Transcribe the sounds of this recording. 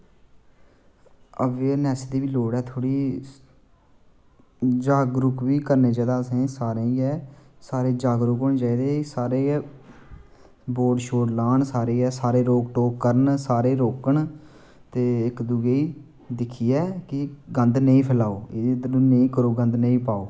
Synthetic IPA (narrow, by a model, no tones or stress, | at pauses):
əʋeːnɛːsd̪iːʋiːloːɽɛːt̪ʰoːɽiː | d͡ʒaːɡɾʊkʋiːkəɾneːd͡ʒaːd̪aːsĩːsaːɾeːĩɛː | saːɾeːd͡ʒaːɡɾʊkɦoːnẽːt͡ʃaːiːd̪eːsaːɾeː | boːɖʃoːʈlaːnsaːɾeːɛːsaːɾeːɾoːɡʈoːkːəɾənsaːɾeːɾoːkəɳ | t̪eːɪkd̪ʊɡeiː | d̪ɪkʰːiːɛːkɪɡə̃nd̪nəĩːpʰəlaːoːeed̪əlõːnəĩːkəɾoːɡə̃nd̪nəĩːpaːoː